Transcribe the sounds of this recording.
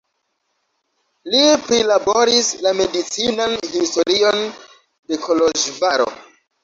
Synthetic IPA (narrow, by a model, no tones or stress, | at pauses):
lipɾilabo̞ɾislame̞dit͡sinanhisto̞ɾio̞n | de̞kʰo̞lo̞ʒvaɾo̞̰